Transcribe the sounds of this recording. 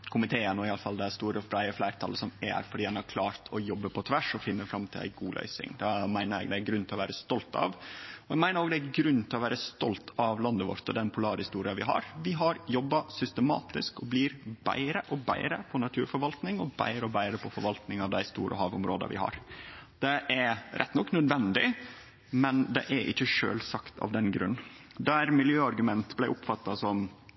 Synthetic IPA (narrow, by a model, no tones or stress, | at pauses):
kʰʊmɪt̪ʰeːənɔɪɑləfɑld̪æst̪uːɾəflæɪəflæɪɾt̪ʰɑ̰lːəsɔmɛ̰ɾfɔɖiːd̪ɛnɑɾkʰlɑːɾt̪ʰɔjɔbːəpʰɔt̪ʰʋæʂɔfɪnːəfɾɑmt̪ʰɪlæ̰ɪɡuːlœ̰ʏsɪ̰ŋd̪ɛmæɪnəɾɛ̰ɡd̪æɡɾʉnt̪ʰɪlɔʋæːɾəst̪ɔlt̪ɑ̰ʋɔɛɡmæɪnəɾoːɡd̪ɛæɡɾʉnːt̪ʰɪlɔʋæːɾəst̪ɔlt̪ʰɑʋlɑnd̪əʋɔ̰ɾt̪ɔd̪ɛnpʰʊlɑːɾhɪst̪uːɾɪɑʋɪɦɑ̰ɾʋɪɦɑɾjɔbːɑsʏst̪əmɑ̰ːt̪ɪskɔblɪɾbæ̰ɪɾəʔɔbæ̰ɪɾə̰pʰɔnɑt̪ʰʉ̰ːɾfɔɾʋɑlt̪nɪŋɔbæ̰ɪɾəɔbæɪɾəpʰɔfɔɾʋɑlt̪nɪŋɑʋd̪æɪst̪ṵːɾʔə̰ɦɑ̰ːʋʊ̰mɾoːd̪ə̰ʋɪ̰hɑ̰ɾd̪̥ɛʔæɾɾʔɛ̰t̪ːnɔkːnœd̪ʋɛnd̪ɪ | mɛnd̪ɛ̰ʔæɾʔɪ̰çːəʂø̰ːlsɑkt̪ʰɑ̰ʋd̪ɛnɡɾʉ̰nːd̪æɾmɪljøːɑɾɡʉmɛnt̪blæɪʔʊpfɑt̪ːɑsɔm